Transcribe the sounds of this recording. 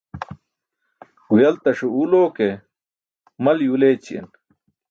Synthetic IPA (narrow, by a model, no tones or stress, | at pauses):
wjɐlt̪ɐʂuuloːke | mɐljuleːt͡ɕḭḛn